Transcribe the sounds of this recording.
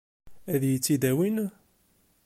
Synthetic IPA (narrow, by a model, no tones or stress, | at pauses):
æðjit͡sːid̪æwin